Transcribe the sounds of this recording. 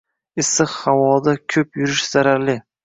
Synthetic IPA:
ɪsɨqhavɒd̪akʲʰɵpjʊɾɪʃz̥aɾaɾlɪ

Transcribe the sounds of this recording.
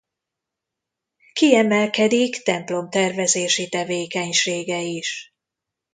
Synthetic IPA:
kiɛmɛlkɛd̪ikt̪ɛmplo̞mt̪ɛrvɛzeːʃit̪ɛveːkɛɲʃeːɡɛiʃ

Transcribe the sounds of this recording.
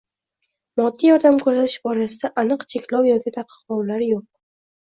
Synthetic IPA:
mɒd̪ːijɒd̪amkʰɵzat̪ʰɪʃbɒɾasɪd̪aʔanɨqt͡ʃʰe̞kʲlɒwjɒkʲɪt̪ʰaqʰɨ̥qɒwlaɾjoq̚

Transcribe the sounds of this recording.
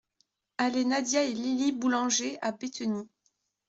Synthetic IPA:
alenad̪jaelilibulɑ̃ʒeabet̪ni

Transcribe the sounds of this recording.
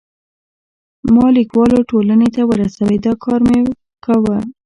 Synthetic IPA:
mɑlikwɑloʈolanet̪awəɾasawed̪ɑkʰɑɾme | kawə

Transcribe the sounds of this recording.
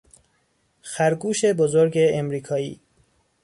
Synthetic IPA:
xæɾɡuːʃe̞bozoɾɟeːmɾiːkʰɒːḭː

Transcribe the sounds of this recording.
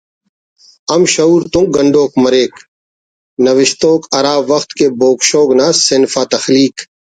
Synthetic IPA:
ɐmʃɐuːɾt̪ũɡɐɳɖoːkmɐɾeːk | nɐʋɪʃt̪oːkɐɾaːʋɐxt̪keːboːkʃoːɡnaːsɪnfaːt̪ɐxliːk

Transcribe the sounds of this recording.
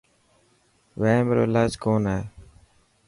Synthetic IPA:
ʋẽːmeɾo̰ːlaːd͡ʒkoːnaː

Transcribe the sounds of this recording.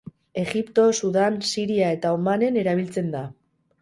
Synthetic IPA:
e̞ɣipt̪o̞suðansiɾiae̞t̪aumane̞ne̞ɾaβ̞ilt͡se̞nd̪a

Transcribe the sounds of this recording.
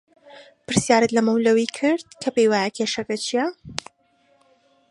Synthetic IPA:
pɨɾsjaːɾɨt̪lɐmɐwlɐwikʰɨɾd̪̚kʰɐpejwajɛkʰeːʃɐkɐt͡ʃʰijɛ

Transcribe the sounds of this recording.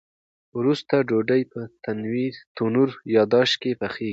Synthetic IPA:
wɾust̪aɖoɖəjpət̪anwiɾt̪unuɾjɑd̪ɑʃkepəxe

